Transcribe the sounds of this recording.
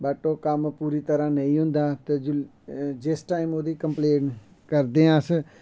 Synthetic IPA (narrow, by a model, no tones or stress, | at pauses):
bəʈoːkəmpuːɾiːt̪əɾãːnəĩːɦʊ̃nd̪aːt̪ed͡ʒ | d͡ʒɪsʈaːɪmoːd̪iːkəmpleːn | kəɾd̪eːãs